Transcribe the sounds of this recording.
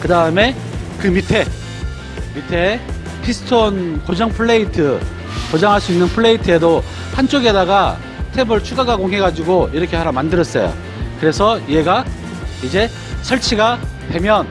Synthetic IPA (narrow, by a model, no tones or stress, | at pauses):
kɯdaɯme̞ | kɯmitʰe̞ | mitʰe̞ | pʰisʰɯ̥tʰonkod͡ʑʌŋpʰɯɭːe̞itʰɯ | kod͡ʑaŋɦaɭs͈uinːɯnpʰɯɭːe̞itʰɯe̞do | hant͡ɕ͈oɡe̞daɡa | tʰe̞bɯɭt͡ɕʰuɡaɡakoŋɦe̞ɡad͡ʑiɡoiɾʌkʰehaɾamandɯɾʌs͈ʌ̰jo̰ | kɯɾe̞sʰʌieɡa | id͡ʑe̞ | sʰʌɭt͡ɕʰiɡatwe̞mjʌn